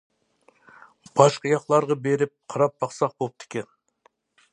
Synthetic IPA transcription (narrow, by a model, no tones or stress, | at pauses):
b̥ɑʃqəjɑqlˠɑɾʁɑbe̞ɾɪp̚qʰəɾɑp̚bɑqsɑq̚bolˠəp̚t̪ʰe̥kʲen